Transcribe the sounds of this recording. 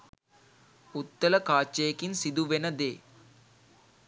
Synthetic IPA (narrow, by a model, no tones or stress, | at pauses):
ut̪ːɐlɐkaːt͡ʃːejɐkinsid̪uʋenɐd̪ḛː